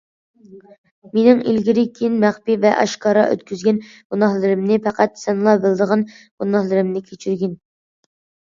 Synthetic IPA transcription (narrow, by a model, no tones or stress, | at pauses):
menɪŋḭlɡʲiɾɪkʲʰijnmæχpivɛʔɑ̰ʃkʰɑːɾɑ̰ʔø̰t̪kʲyzɡʲɛn | ɡ̥unɑhlˠɨɾɨmnɪpʰæqæt̪sɛnlˠɑbɪlˠd̪əʁɑn | ɡ̥unɑhlˠɨɾɨmnɪkʲʰet͡ʃʰyɾɡʲin